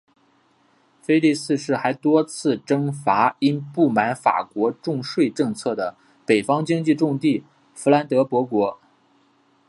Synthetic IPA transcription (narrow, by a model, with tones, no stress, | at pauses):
fe˥ɪli˥˧sɹ̩˥˧ʂɻ̩˥˩xa˧˥ɪt̪wɔ˥t͡sʰɹ̩˥˩ʈ͡ʂɤ˥ŋfa˧˥i˥npu˥˩ma˧˥nfa̰˨˩kwɔ˧˥ʈ͡ʂʊ˥˧ŋʂwe˥˧ɪʈ͡ʂɤ˥˧ŋt͡sʰɤ˥˩d̪ə˩ | pe˨˩ɪfɑ˥ŋt͡ɕi˥ŋt͡ɕi˥˧ʈ͡ʂʊ˥˧ŋt̪i˥˩ | fu˧˥la˧˥nt̪ɤ˧˥pwɔ˧˥kwɔ˧˥